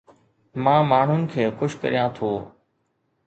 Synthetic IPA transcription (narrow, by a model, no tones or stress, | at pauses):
mãːmaːɳ̤ʊnɪ̆kʰeːxʊʃkə̰ɾijãːt̪ʰoː